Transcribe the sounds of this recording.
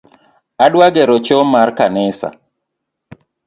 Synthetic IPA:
aɗwaɡɛɾɔt͡ʃɔmarkanɪsa̰

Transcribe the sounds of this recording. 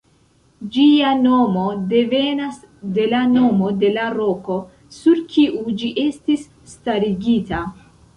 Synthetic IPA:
d͡ʒiano̞mo̞de̞ve̞nas | de̞lano̞mo̞de̞laɾo̞ko̞ | suɾkʰiʔud͡ʒiʔe̞stisːtaɾiɡita

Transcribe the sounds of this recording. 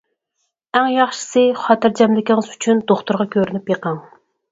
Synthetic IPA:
æŋjɑχʃɨ̥sɨχɑːt̪ɨɾd͡ʒɛmlɪkʲiŋɨzyt͡ʃʰynd̪̥oχt̪ʊɾʁɑkʲʰøɾynypjeqʰɑŋ

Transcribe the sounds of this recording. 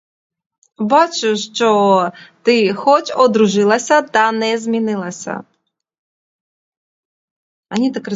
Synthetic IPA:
bat͡ʃʊʂt͡ʂɔt̪ɪxɔt͡ʃɔd̪ɾuʐɨlˠɐsʲɐt̪ɐnɛzʲmʲinɪlˠɐsʲɐ̰ | anʲit̪akrɨ

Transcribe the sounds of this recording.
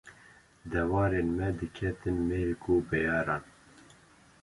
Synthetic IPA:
d̪ɛwɑːɾeːnmɛd̪ɨkʰɛt̪ɨnmekubɛjɑːɾɑːn

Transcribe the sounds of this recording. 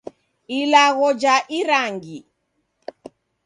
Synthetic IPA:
ilaɣɔd͡ʒaʔiɾaŋɡi

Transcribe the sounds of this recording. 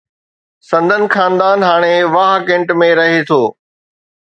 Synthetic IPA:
sɐ̃nd̪ʱənɪ̆xaːnd̪aːnɦaːɽ̃eʋaːɦkẽɳʈmẽɾɐɦet̪ʰoː

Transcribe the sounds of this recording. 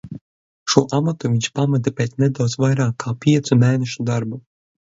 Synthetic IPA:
ʃuɔʔamat̪uvʲiɲʲʃpamad̪apʲeːt̪ʲnɛd̪awd̪zsvajɾaːkʰːaːpʲiɛt̪sumeːnɛʃud̪aɾbu

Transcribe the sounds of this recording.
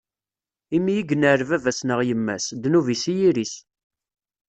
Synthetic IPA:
imijiɡnəɾvævæsnəʁjəmːæ̰sd̪nuvisijiɾis

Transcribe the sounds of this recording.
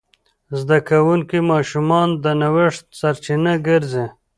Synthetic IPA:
zd̪akawuŋkimɑːʃumɑnd̪ənawɪʂt̪saɾt͡ʃinaɡəɾze

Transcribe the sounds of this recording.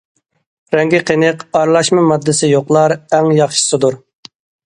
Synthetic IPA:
ɾɛŋɡʲɪqʰenɨqɑɾlˠɑʃmɨmɑd̪ːɪsɪjoqlˠɑɾɛŋjɑχʃɨ̥sɨd̪uɾ

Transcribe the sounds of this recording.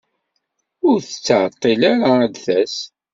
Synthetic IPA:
ʊɾθə̥t͡sːəʕt̪ˤːilaɾad̪θæs

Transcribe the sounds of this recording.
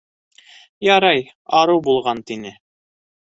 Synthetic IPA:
jɑɾɑj | ɑɾɤwbulˠʁɑnt̪inɘ

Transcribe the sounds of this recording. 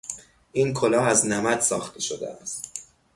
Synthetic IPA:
ʔiːnkʰo̞lɒːæznæmæd̪sɒ̰ːxt̪ʰe̞ʃod̪ḛʔæst̪

